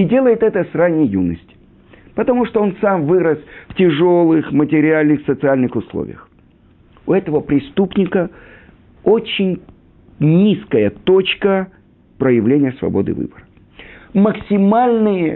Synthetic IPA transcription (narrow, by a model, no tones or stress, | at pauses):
ɪdʲe̞lˠəjɪt̪ɛt̪əsranʲɪjjunəsʲtʲɪ̥ | pət̪ɐmuʂt̪oonsamvɨɾəsftʲɪʐo̞lˠɨxmətʲɪɾʲɪalʲnɨxsət̪sɨalʲnɨxʊslˠo̰vʲɪ̰jəx | ʊɛt̪əvəpɾʲɪst̪upnʲɪkə | ot͡ɕɪnʲ | nʲiskəjət̪o̞t͡ɕkə | pɾəjɪvlʲenʲɪjəsvɐ̰bo̞d̪ɨ̰vɨ̰bəɾə | məksʲɪmalʲnɨjə